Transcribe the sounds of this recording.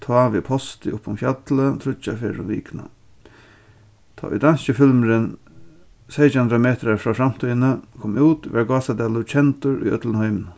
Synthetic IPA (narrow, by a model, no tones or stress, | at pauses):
t̪ʰɑːʋipʰɔst̪ɪʊpːʊmfjat̪lət̪ʰɾʊt͡ʃːafeɾʊ̰ʋḭːkna̰ | t̪ʰɔ̰ːʊ̰d̪ansəfɪlməɾɪn | sejt͡ʃhanɾameːt̪əɾafɾaːfɾam̥t̪ʰɔjnəkʰɔmuːt̪ʋɛɹɡɑːsad̪ɛːlʊt͡ʃʰɛnt̪ʊɾʊ̰jœ̰t̪lənhɔʏmn